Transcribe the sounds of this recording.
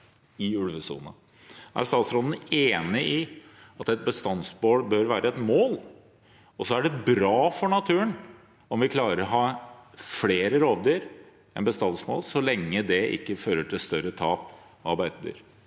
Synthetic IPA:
ɪʉɽʋəsṵːnə̰ | æ̰ɾst̪ɑːt̪sɾɔd̪n̩eːnɪʔɪɑt̪ɛt̪̚bəst̪ɑnsboːɽbœɾʋæːɾəɛt̪moːl | ɔsɔæɖɛbɾɑːfɔɳɑt̪ʰʉːən | ɔmʋɪkʰlɑːɾəɾɔɦɑːfleːɾəɾoːʋd̪yːɾ | ɛnbəst̪ɑnsmo̰ːlsɔlɛŋːəd̪ɛʔɪ̰kːəføːɾəʈʰɪlst̪œɾət̪ʰɑːp | ɑɾbæɪt̪əd̪y̰ːɾ

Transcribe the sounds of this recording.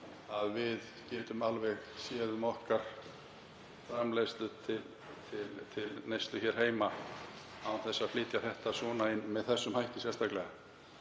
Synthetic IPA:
aðvɪð | cɛːt̪ʏmalvɛɣsjɛːðʏmɔhkaɾ̥ | fɾamlejst̪lʏt̪ʰɪl | t̪ʰɪlt̪ʰɪlnejst̪lʏçɛɾ̥heːjma | awθɛsːaðfliːt̪jaθɛht̪asvɔːnaɪnːmɛðθɛsːʏmhajht̪ɪsjɛɾst̪ʰaklɛɣa

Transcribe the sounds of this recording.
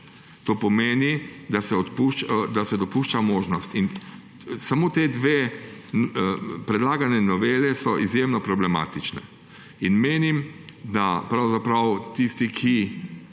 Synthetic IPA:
t̪oːpɔmeːnid̪asɛɔt̪puʃd̪asɛd̪ɔpuːʃt͡ʃamoːʒnɔst̪in | samoːt̪eːd̪ʋeː | pɾɛd̪laːɡanɛnɔʋeːlɛsɔʔizjeːmnɔpɾɔblɛma̰ːt̪it͡ʃnɛ̰ | inmeːnimd̪apɾawzapɾawt̪ist̪ikʰi

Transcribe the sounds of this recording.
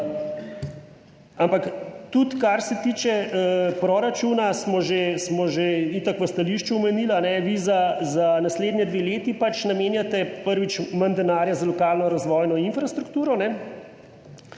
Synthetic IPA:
ampakt̪ut̪kaɾsɛt̪iːt͡ʃɛpɾɔɾat͡ʃuːnasmɔʒesmɔʒeit̪ɐkʋəst̪aliʃt͡ʃuːmɛniːlanɛʋizazanasleːd̪njɛd̪ʋeleːt̪ipat͡ʃnameːnjat̪ɛpəɾʋit͡ʃmɐnd̪ɛnaːɾjazalɔkaːlnɔɾazʋɔːjnɔinfɾast̪ɾukt̪uːɾɔnɛ

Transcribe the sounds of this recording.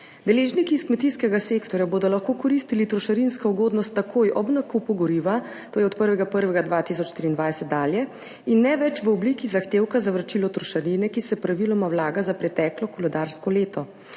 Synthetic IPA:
d̪ɛleːʒnikiːskmɛt̪iskɛɡaseːkt̪ɔɾjaboːd̪ɔlaxkoːkɔɾist̪ilit̪ɾɔʃaɾinskauɡoːd̪nɔst̪ːakʰoːjʔɔbnakupuɡɔɾiʋa | t̪oːjɛɔt̪pəɾʋɛɡapəɾʋɛɡad̪ʋat̪is̬ɔt͡ʃʃt̪ɾiːnd̪ʋajsɛt̪̚d̪aːljɛ | inːɛʋɛt͡ʃʋəɔblikizaxt̪eːwkazaʋɾat͡ʃilɔt̪ɾɔʃaɾinɛkisɛpɾaʋilɔmawlaːɡazapɾɛt̪ɛːklɔkɔlɛd̪aɾskɔleːt̪ɔ

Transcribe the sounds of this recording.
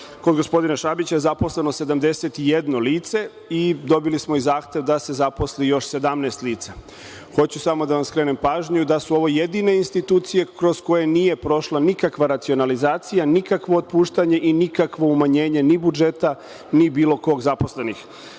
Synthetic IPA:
kod̪ɡo̞spo̞d̪inaʃabit͡ɕaezapo̞sle̞nose̞d̪amd̪e̞set̪ije̞d̪no̞liːt̪se̞ | id̪o̞bilismo̞izaːxt̪e̞ʋd̪ase̞zapo̞slijo̞ʃse̞d̪amneːst̪liːt̪sa | xo̞t͡ɕusamo̞d̪aʋamskɾe̞ːnempaːʒɲud̪asuo̞ʋo̞je̞d̪ine̞inst̪it̪uːt̪sije̞kɾo̞sko̞jenije̞pɾo̞ʃlanikakʋaɾat̪sio̞nalizaːt̪sijanikakʋo̞ot̪̚puːʃt̪aɲe̞ʔinikakʋo̞umaɲe̞ːɲe̞nibud͡ʒe̞t̪a | nibiːlo̞ko̞ɡzapo̞sle̞nix

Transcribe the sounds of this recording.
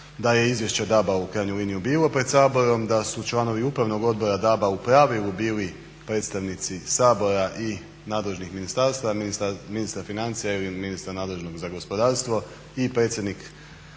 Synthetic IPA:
d̪aje̞izʋje̞ʃt͡ɕed̪abaukɾaːjɲuliːnijubiːlˠo̞pɾe̞d̪saːbo̞ɾo̞md̪asut͡ʃlˠano̞ʋiupɾaʋno̞ɡo̞d̪̚bo̞ɾad̪abaupɾaːʋilˠubiːli | pɾe̞ːt̪st̪aʋnit̪sisaːbo̞ɾaʔi | naːd̪le̞ʒnixminist̪aɾst̪aʋaiminist̪ɾafinant̪sijailiminist̪ɾanaːd̪lˠe̞ʒno̞ɡzaɡo̞spo̞d̪aːɾst̪ʋo̞ | ipɾet̪sʲje̞d̪nik

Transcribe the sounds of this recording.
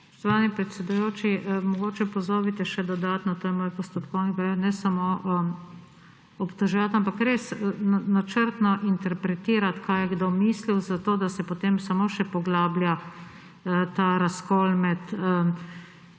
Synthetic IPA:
sɔ̥ʃt̪ɔʋaːnipɾɛt̪sʲɛd̪ujoːt͡ʃimɔɡoːt͡ʃɛpɔzoːbit̪ɛʃɛd̪ɔd̪aːt̪nɔt̪oːjɛmoːjpɔst̪ɔt̪kɔwnipɾaanɛsamoʔ | ɔpt̪ɔʒɛʋat̪ampakɾesnanat͡ʃəɾt̪nɔʔint̪ɛɾpɾɛt̪iːɾat̪kʰaːjɛɡd̪omiːsliwzat̪oːd̪asɛpot̪emsamoʃɛpɔɡlaːblja | t̪aɾaskoːlmɛt̪ə

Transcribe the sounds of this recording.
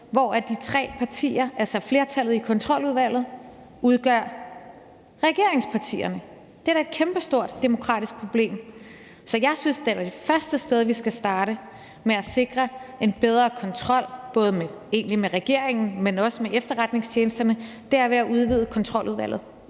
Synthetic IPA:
ʋɒæd̥it͡sʰʁɛ̰ːpʰɑ̈t͡sʰḭːɐʔælsɒfle̝ɐt͡sʰælð̞̩ˠikʰɒ̽nt͡sʰʁɒ̽l̰uðˠʋæl̰ð̞̩ˠ | uð̞ˠɡ̥ɶɐ̰ | ʁɛɡ̥e̝ɐ̰e̝ŋspʰɑ̈t͡sʰḭːɐnə | d̥edæɐe̝d̥̚kʰemb̥əsd̥o̝ɐ̰d̥ːe̝mo̝kʰʁɑ̰̈ːd̥isɡ̥̚pʰʁo̝b̥le̝̰ːm | sɒ̽jɑ̈ɪsynsd̥eʋæd̥e̝fɶɐsd̥əsd̥eð̞ˠʋisɡ̥æsd̥ɑ̈ːɾə | meæse̝ɡ̥ʁɐe̝nb̥eð̞ˠʁɐːkʰɒ̽nt͡sʰʁɒ̽l̰b̥ɔ̽ːð̞̩ˠmee̝ːnlimeʁɛɡ̥e̝ɐ̰eŋn̩menɒ̽səmeefd̥ɐʁad̥ne̝ŋsʰjeːnəsd̥ɐnəd̥eɐæɐʋeæʔuð̞ˠʋiðˠəkʰɒ̽nt͡sʰʁɒ̽l̰uðˠʋæl̰ð̩ˠ

